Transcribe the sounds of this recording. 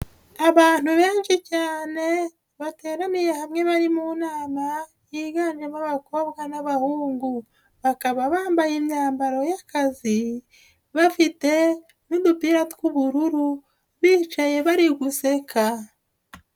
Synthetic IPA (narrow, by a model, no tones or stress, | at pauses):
aβaːn̥uβe̞ːnʃicaːne̞ | βate̞ːɾamije̞hamŋe̞βaɾimunaːma | jiɡaːnʒemaβako̞βɡanaβahuːŋɡu | βakaβaβaːmbajimɲaːmbaɾo̞jakazi | βafite̞ | nudupiɾatkuβuɾuɾu | βiːt͡ʃaje̞βaɾiɡuse̞ka